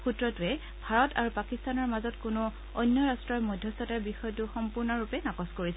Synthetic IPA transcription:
xutɹɔtuɛ | bʱaɹɔtʰa̰ɹupakistanɔɹmazɔtkʊnu | ɔjnjɔɹastɹɔjmɔjdʱjɔstɔtaɹbixɔjtuxɔmpʊɹnɔɹupɛnakɔskoɹisɛ

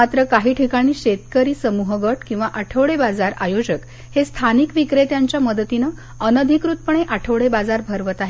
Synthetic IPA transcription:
mat̪ɾəkaɦiːʈʰikaɽ̃iːɕet̪kəɾiːsəmuɦəɡəʈkĩw̃ʋaʔaʈʰəʋɭebad͡zaɾa̰jod͡ʑək | hest̪ʰanikʋikɾet̪jaɲt͡ɕjaməd̪ət̪inə | ənəd̪ʱikɾut̪̚pəɳ̃eʔaʈʰəʋɭebad͡zaɾbʱəɾʋət̪aɦe

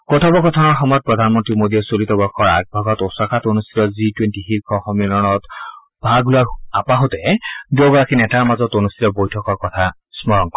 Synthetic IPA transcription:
kot̪ʰɔbɔkɔt̪ʰɔnɔɹxɔmɔjɔt̪̚pɹɔd̪ʱanmɔntɹimod̪iɔsolit̪ɔbɔɹxʰɔɹa̰k̚bʱaɡɔt̪osakʰat̪onust̪ʰi̥t̪ɔzitwentiɦikʰɔxɔmilɔnɔt̪ | bʱaɡlʊaɹapaɦot̪ɛduɔɡɔɹakinɛtaɹmazɔt̪onust̪itɔbojtʰɔkɔɹkɔt̪ʰa | smɔɹɔŋkɔ

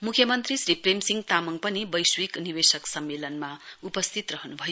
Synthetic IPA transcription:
mukʰjʌmʌnt̪risripremsiŋɡt̪amʌŋpʌnibʌjswiknibesʌksʌmːelʌnmaupʌst̪ʰit̪rʌɦnubʱʌjo

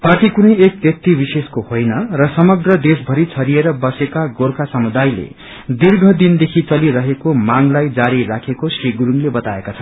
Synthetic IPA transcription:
parʈikunʌjekbjʌk̚t̪ibiseskohojnʌrʌsʌmʌɡrʌd̪esbʱʌɾit͡sʰʌɾieɾʌbʌsekaɡorkʰasʌmud̪ajlḛ | d̪irɡʱʌd̪ind̪ekʰit͡sʌliɾʌɦekomaŋlajd͡zaɾirakʰekosriɡɾuŋlebʌt̪aekat͡sʰʌnn

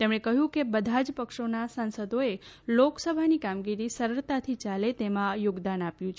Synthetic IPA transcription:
t̪emɽ̃ekəɦjũkebəd̪ʱad͡ʒpəkʃonasansəd̪oeloksəbʱanikamɡiɾisəɾəɾt̪at̪ʰit͡ʃalet̪emãjoɡd̪anapjũt͡ʃʰ

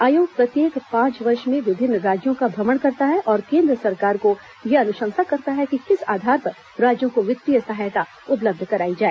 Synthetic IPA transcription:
aːjoːɡ̚pɾɐt̪jeːkpãːt͡ʃʋɐɾʃmẽʋɪbʱɪnːɾaːd͡ʒjõkabʱɾɐməɳkɐɾt̪aɦɛʔɔːɾkẽːnd̪ɾəsɐɾkaːɾko | jeɐnʊʃə̃ŋsakɐɾt̪aɦɛkikɪsa̰ːd̪ʱaːɾpɐɾ | ɾaːd͡ʒjõkoʋɪt̪ɾijəsɐɦajt̪a | ʊp̬ləb̚d̪ʱkɐɾaːid͡ʒaːeː

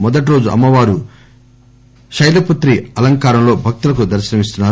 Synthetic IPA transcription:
mɔd̪ɐʈ̬iɾo̞ːd͡ʒuʔɐ̰mːɐʋaːɾu | ʃɐjlɐput̪ɾiɐlɐŋkaːɾɐmlo̞ːbʱɐk̚t̪ulɐkud̪ɐɾʃinɐmist̪unːaː

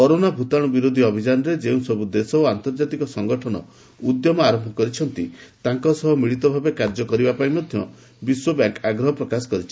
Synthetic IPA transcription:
kɔɾonabʱut̪aɽ̃ɔbiɾod̪ʱiɔbʱid͡ʒanɔɾed͡ʒeũsɔbud̪esɔoant̪ɔɾd͡ʒat̪ikɔsɔŋɡɔʈʰɔnɔ̰ | ud̪jɔmɔaɾɔmbʱɔkɔɾit͡ʃʰɔnt̪it̪aŋkɔsɔɦɔmiɭit̪ɔbʱabekaɾd͡ʒɔkɔɾibapaĩmɔd̪ʱjɔ | biswɔbaŋkaɡɾɔɦɔpɾɔkasɔ̥kɔɾit͡ʃʰi̥

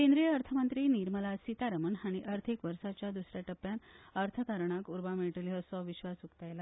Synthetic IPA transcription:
kẽnd̪ɾijəəɾt̪ʰəmənt̪ɾiːniɾməlasit̪aɾəməɳɦaɽ̃iʔəɾt̪ʰikʋəɾsat͡ɕjad̪usɾjaʈəpːjanəɾt̪ʰəkaɾɳ̃akuɾbameɭʈəlɦəsɔʋiɕʋasukt̪ajla

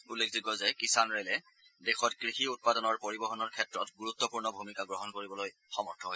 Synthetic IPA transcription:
ulːekʰzikɔzɛkisanɹelɛ | dɛxɔtkɹixiut̚padɔnɔɹpoɹibɔɦɔnɔɹkʰɛtɹɔtɡuɹutːɔpuɹnɔbʱumikaɡɹɔɦɔnkoɹibɔloj | xɔmɔɹtʰɔɦoj

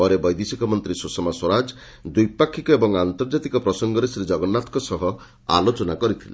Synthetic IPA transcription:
ɔɾebɔjd̪isikɔmɔnt̪ɾisusɔmaswɔɾad͡ʒ | d̪ujpakʰːikɔebɔŋant̪ɔɾd͡ʒat̪ikɔpɾɔsɔŋɡɔɾesɾed͡ʒɔɡɔnːat̪kɔsɔɦɔ | a̰lot͡ʃɔnakɔɾit̪ʰile

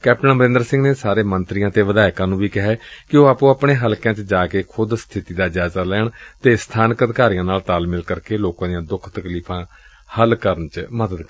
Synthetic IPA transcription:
kɛːp̚ʈənbəɾɪ̃ːnd̪əɾsɪ̃ŋɡneːsaːɾeːmənt̪ɾɪijãːt̪eːʋəd̪aːɪkãːnũːʋiːkɪɦɛːkɪoːaːpõːapɳeːɦəlkãːt͡ʃəd͡ʒaːkeːkʰʊd̪st̪ʰɪt̪iːd̪aːd͡ʒaːzaːlɛːɳt̪eːst̪ʰaːnkət̪kaːɾijãːnaːlt̪aːlmɪlkəɾkeːloːkãːd̪ijãːd̪ʊkʰt̪əkliːpʰãː | həlkəɾənt͡ʃməd̪əd̪

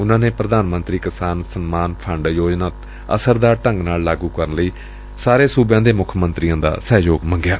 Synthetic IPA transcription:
ʊnãːneːpɾəd̪aːnmə̃nt̪ɾiːkɪsaːnsənmaːnpʰəɳɖjoːd͡ʒnaːt̪ | ə̰səɾd̪aːʈə̃ŋɡnaːllaːɡuːkəɾənləiː | saːɾeːsuːbjãːd̪eːmʊkʰmənt̪ɾiːjãːd̪a̰ːsɛːjoːɡmə̃ŋɡɪjaː

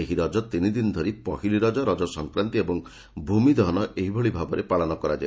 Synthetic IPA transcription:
eɦiɾɔd͡ʒɔt̪inid̪inɔd̪ʱoɾipɔɦiliɾɔd͡ʒɔɾɔd͡ʒɔsɔŋkɾant̪iebɔŋ | bʱumid̪ɔnɔʔeɦibʱɔɭibʱabɔɾepaɭɔnɔkɔɾad͡ʒa

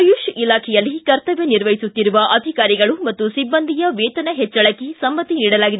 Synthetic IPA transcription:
juʃilaːkʰɛjɐlːikɐɾt̪ɐʋjeniɾʋɐjisut̪ːiɾuʋɐʔɐd̪ʱikaːɾiɡɐɭumɐt̪ːusibːɐnd̪ʱijɐʋɛːt̪ɐnɐɦɛt͡ʃːɐɭɐkːisɐmbɐt̪ːiniːɽɐlaːɡid̪e

